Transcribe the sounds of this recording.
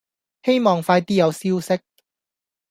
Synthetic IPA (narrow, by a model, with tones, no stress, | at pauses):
he˥jmɔː˨˩ŋfaː˧jt̪iː˥jɐ˨˧wsiː˥wsɪ˥k̚